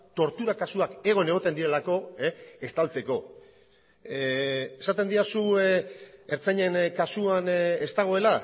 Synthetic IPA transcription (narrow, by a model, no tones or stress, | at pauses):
t̪o̞ɾt̪uɾakasuake̞ɣ̞o̞ne̞ɣ̞o̞t̪e̞nd̪iɾe̞lako̞est̪alt͡se̞ko̞ | e̞sat̪e̞nd̪iasu | e̞ɾt͡sajɲe̞nkasuane̞st̪aɣ̞o̞e̞la